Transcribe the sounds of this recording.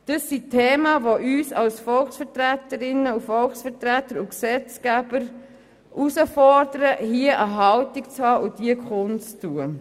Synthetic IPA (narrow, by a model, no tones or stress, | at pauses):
d̥əsːitʰeːmɑʋoʔyːsɑlsfɔlksfətɾætəɾɪnəufɔlksfəɾtɾætəɾʊksɛt͡skæb̥əɾ | ʔusəfɔɾdəɾəhiəʔəɦɑltikt͡shɑːʔʊdiəkʰχʊnt͡stuə